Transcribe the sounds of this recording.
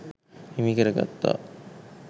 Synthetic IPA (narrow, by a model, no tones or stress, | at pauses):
imikeɾaka̰t̪ːa̰